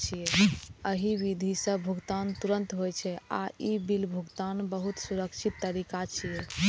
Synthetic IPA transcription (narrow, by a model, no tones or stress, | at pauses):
t͡ʃʰijeəɦiʋid̪ʱisə̃bʱuɡt̪ant̪uɾə̃nt̪ɦojt͡ʃʰɛa̰ibilbʱuɡt̪anbəɦut̪suɾəkt͡ʃʰit̪ːəɾikat͡ʃʰije